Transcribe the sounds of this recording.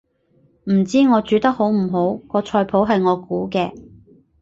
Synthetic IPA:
m̩˨˩t͡siː˥ŋɔː˨˧t͡ʃyː˨˥t̪ɐ˥k̚ho˨˥wm̩˨˩ɦo˨˥wkɔː˧t͡ʃʰɔː˧jpʰo˨˥wɦɐ˨jŋɔː˨˧kuː˨˥kɛː˧

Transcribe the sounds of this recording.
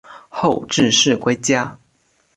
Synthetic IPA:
xo˥˧ʊʈ͡ʂɻ̩˥˧ʂɻ̩˥˩kwe˥ɪt͡ɕja˥

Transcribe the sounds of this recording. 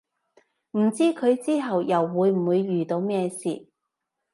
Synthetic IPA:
m̩˨˩t͡siː˥kʰɵ˨˧ɥt͡siː˥ɦɐ˨wjɐ˨˩wːuː˨˧˥jm̩˨˩wuː˨˧jːyː˨˩t̪o˨˧wmɛː˥˧sḭː˨

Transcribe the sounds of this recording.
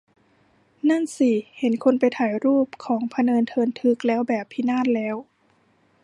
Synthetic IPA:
na˥˩˨nsi˧˩he˩˦nkʰo˧˨npa˨jt̪ʰaː˨˩˦jɾuː˥˩p̚kʰɔː˩˦ŋpʰa˧nɤː˧nt̪ʰɤː˧nt̪ʰɯ˧˦˥k̚lɛː˦˥wbɛː˨˩pʰːi˧naː˥˨t̪̚lɛː˦˥w

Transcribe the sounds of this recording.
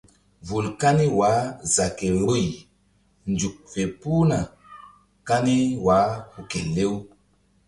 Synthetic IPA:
vu˨lka˦ni˦wa˨˦za˨ke˨ɾo˦j | nd͡ʒu˨k̚fe˨pu˦na˨ | ka˦ni˦wa˨˦hu˨ke˨le˦w

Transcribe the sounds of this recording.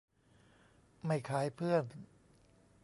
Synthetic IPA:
ma˥˩jkʰaː˩˦˥jpʰɯ˥˩ən

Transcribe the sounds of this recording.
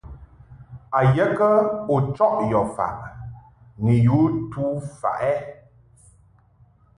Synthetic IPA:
a˨jɛ˦kə˦o˨t͡ʃɔ˦ʔjɔ˨fa̰˨ʔ | ni˨ju˨˦tu˦fa̰˨ʔɛ˦

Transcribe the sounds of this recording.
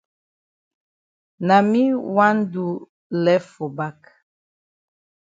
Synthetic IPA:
na˨mi˦wa˦n˦du˦ | lɛ˦fo˨ba˦k

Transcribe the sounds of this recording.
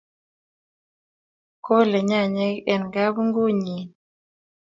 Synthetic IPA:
ko˦le˨ɲa˦˨ɲɛ˦kɛ˨nɡa˦bu˦ŋɡo˦ɲi˨n

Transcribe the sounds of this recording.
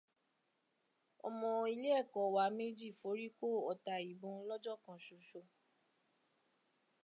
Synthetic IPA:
ɔ̰˨mɔ̃˧i˧le˦ɛ˦˨kɔ˨wa˨˦me˦d͡ʒi˦˨fo˨˦ɾi˦ko˦ɔ˨ta˨˧i˨ɡ͡bõ˨˧˦lɔ˦d͡ʒɔ˦˨kã˨ʃu˨ʃo˧

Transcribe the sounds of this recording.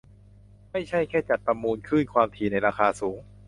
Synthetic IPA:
ma˥˩jt͡ɕʰa˥˩jkʰɛː˥˩t͡ɕa˨˩t̪̚pɾa˧mːuː˧nkʰɯː˥˩nkʰwaː˧mt̪ʰiː˧na˧jɾaː˧xaː˧suː˩˦ŋ

